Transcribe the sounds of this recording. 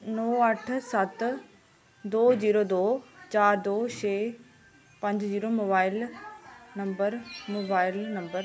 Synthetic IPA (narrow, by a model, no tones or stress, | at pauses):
noːɐʈʰsɐt̪ | d̪oːd͡ʑiːɾod̪oːt͡ɕaːɾd̪oːʃeː | pɐ̃ɲd͡ʑd͡ʑiːɾomoːbaːɪl | nɐmbəɾmoːbaːɪlnɐ̃mbəɾ